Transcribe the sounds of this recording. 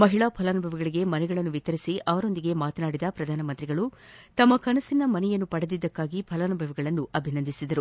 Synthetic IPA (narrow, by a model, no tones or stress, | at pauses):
mɐɦiɭaːpʰɐlaːnɐbʱɐʋiɡɐɭiɡe̞mɐnɛɡɐɭɐnːuʋit̪ɐɾisiʔɐʋɐɾo̞nd̪iɡe̞maːt̪ɐnaːɽid̪ɐpɾɐd̪ʱaːnɐmɐnt̪ɾiɡɐɭut̪ɐmːɐkɐnɐsinɐmɐnɛjɐnːupɐɽed̪id̪ːɐkːaːɡipʰɐlaːnɐbʱɐʋiɡɐɭɐnːuʔɐbʱinɐnd̪ʱisid̪ɐɾu